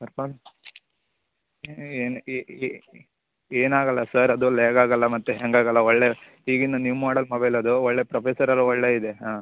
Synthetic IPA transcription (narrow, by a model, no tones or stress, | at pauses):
sɐɾpan | eːn | eːnaːɡɐlːɐsɐɾɐd̪uleːɡaːɡɐlːɐmɐt̪ːuɦeŋɡaːɡɐlːɐɔɭːe | ɦiːɡinːɐnimaːɽɐlmɐbɐjlɐd̪uɔɭːepɾɐpeːsɐɾɐlːuɔɭːeːid̪eɦaː